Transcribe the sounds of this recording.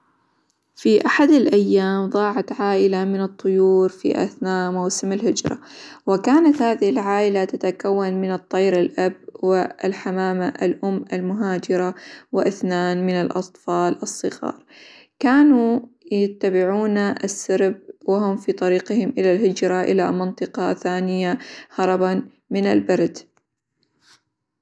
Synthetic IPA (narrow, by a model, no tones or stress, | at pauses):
fiʔaħad̪alʔajːaːmðˤɑːʕat̪ʕaːʔɪlamɪnɨt̪ˤːʊjuːɾfḭʔa̰θnaːmawsamalhɪd͡ʒɾˤɑ̰wɪkaːnat̪haːðɪhɪlʕaːʔɪlat̪at̪akawːanmɪnɨt̪ˤːɑjɾɪlʔabwɪlħamaːmaʔalʔʊmːalmʊɦaːd͡ʒɪɾˤawɪʔɪθnaːnmɪnalʔɑ̰t̪ˤfɑːlʔɨsˤːɨɣɑ̰ːɾˤ | kaːnujat̪ːabɪʕuːnaʔasːaɾb̚wɪɦʊmfiːt̪ˤɑɾiːqɪhɪmʔɪlalɦɪd͡ʒɾˤɑʔɪlamɑnt̪ˤɨqɑθaːnɪjahɑɾˤɑban | mɪna̰lbɑɾˤd̪